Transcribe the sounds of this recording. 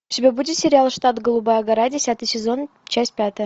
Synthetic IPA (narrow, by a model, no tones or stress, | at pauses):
t̪ʲibʲebudʲɪt̪sʲeɾʲalˠʂt̪ɑt̪ɡolˠubaɐɡɐɾadʲesʲat̪ɨjsʲezon | t͡ɕasʲt̪ʲpʲat̪ɘ̆